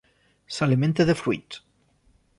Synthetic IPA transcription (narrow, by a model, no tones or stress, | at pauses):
salimẽnt̪eðefɾwuḭt̪